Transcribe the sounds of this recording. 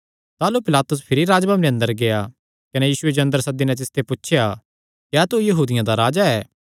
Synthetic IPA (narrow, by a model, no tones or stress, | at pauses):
t̪aːlupɪlaːt̪ʊs̬pʰɪɾiɾaːd͡ʒbɐmnə̃nd̪əɾɡeja | kɐnejiːsʊed͡ʒɐ̃nd̪əɾsɐd̪inɛ̃t̪ɪst̪ʰepuːʃʰja | kjɛːt̪ujɐɦuːd̪ɪjãd̪aɾaːd͡ʒaɛː